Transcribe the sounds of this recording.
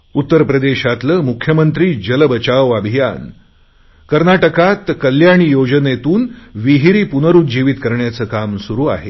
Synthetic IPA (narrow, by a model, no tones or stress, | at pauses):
ut̪ːəɾpɾəd̪eɕat̪ləːmukʰjəmənt̪ɾiːd͡ʑələbət͡ɕaʋabʱijan | kəɾnaʈəkat̪kəljaɽ̃iːjod͡ʑənet̪uːnʋiɦiɾiːpunəɾuːd͡ʑiʋit̪kəɾɳjat͡səːkamsuɾuːa̰ɦe